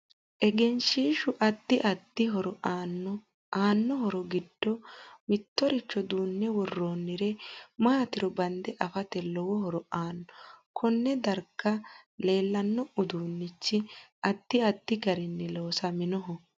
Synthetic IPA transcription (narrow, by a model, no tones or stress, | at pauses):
ʔɛɡɛnʃiːʃʊʔɐt̪ːɪʔɐt̪ːɪɦɔɾɔʔaːnːɔ | ʔaːnːɔɦɔɾɔɡɪd̪ːɔmɪt̪ːɔɾɪt͡ʃːɔd̪uːnːɛwɔrːoːnːɪɾɛmaːt̪ɪɾɔbɐnd̪ɛʔɐfɐt̪ɛlɔwɔɦɔɾɔʔaːnːɔkʰɔnːɛd̪ɐɾkːɐle̞ːlːɐnːɔʊd̪uːnːɪt͡ʃːɪɐt̪ːɪɐt̪ːɪɡɐɾɪnːɛlo̞ːsɐmɪnɔɦɔ